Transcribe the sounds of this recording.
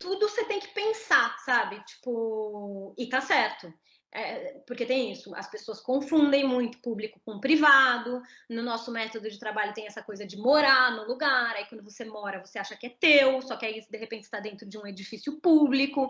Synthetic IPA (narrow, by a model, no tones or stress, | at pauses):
t̪ud̪ʊset̪ẽj̃kɪ̥pẽsasabɪt͡ʃi̥pʊ | ɪt̪asɛɾt̪ʊ | ɛpoɾket̪ẽj̃isʊɐ̰spesoɐskõfũd̪ẽj̃mũj̃t̪ʊ̥publikʊ̥kõũpɾivad̪ʊ | nʊnɔsʊmɛt̪od̪ʊd͡ʒɪt̪ɾabaʎʊt̪ẽj̃ɛsɐkojzɐd͡ʒɪmoɾaɾnʊluɡaɾaikwɐ̃nd̪ʊvosemɔɾɐvoseaʃɐkɪɛt̪ewsɔkɪaiisd̪eɦepẽt͡ʃɪ̥st̪ad̪ẽnt̪ɾʊd͡ʒɪũed͡ʒifisijʊpublikʊ